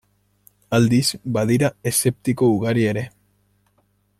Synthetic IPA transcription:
ald̪izbaðiɾae̞se̞p̚t̪iko̞uɣaɾie̞ɾe̞

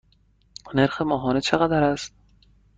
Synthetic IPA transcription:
neɾxe̞mɒːɦɒːnet͡ʃʰe̞ɣæd̪æɾæst̪̚

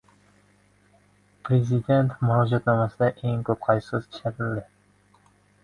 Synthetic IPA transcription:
pʰɾezɪd̪e̞nt̪maɒd͡ʒɒt̪nɒmasɪd̪aʔe̞ŋkʰɵp̚qʰɑjsɪzʰɪ̥ʃʰaɾɪld̪ɪ

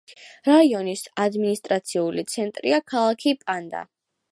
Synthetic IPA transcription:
ɾaiɔnisad̪minist̪ʼɾat̪sʰiulit̪sʰɛnt̪ʼɾḭakʰalˠakʰipʼand̪a̰

